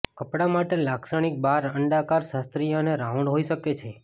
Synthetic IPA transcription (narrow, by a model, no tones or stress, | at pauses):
kəpɽamaʈelaksəɽ̃ik̚baɾəɳɖakaɾʃast̪ɾijoneɾauɳɖɦoiʃəket͡ʃʰe